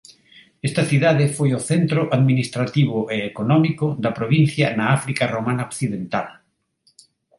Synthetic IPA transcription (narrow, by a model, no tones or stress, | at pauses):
est̪aθiðaðefojoθent̪ɾoʔaðminist̪ɾat̪iβoʔeːkonɔmikod̪ɐpɾoβ̞in̟θjanaafɾikaromãnaokθiðent̪al